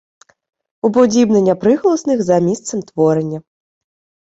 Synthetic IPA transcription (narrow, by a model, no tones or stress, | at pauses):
ubud͡zʲibnɐnʲapɾɨɣlˠɐsnɨɣzamʲist̪sɐmt̪vɔɾɐnʲːɐ